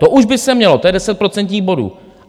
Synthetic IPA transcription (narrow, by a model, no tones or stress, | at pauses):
t̪o̞ʔuʒbɪsɛmɲɛlo̞t̪o̞jɛdɛsɛt̪̚pɾo̞t͡sɛnt̪ɲiːɣbo̞dṵː